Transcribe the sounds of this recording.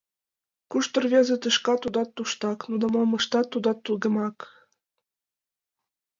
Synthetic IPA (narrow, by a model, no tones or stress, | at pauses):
kuʃt̪ɤ̆rvʲezĕt̪ɨʃkɑt̪ud̪ɑt̪ːuʃt̪ɑknud̪ɑmolmɤ̆ʃt̪ɑt̪ːud̪ɑt̪ːuɣə̆mɑk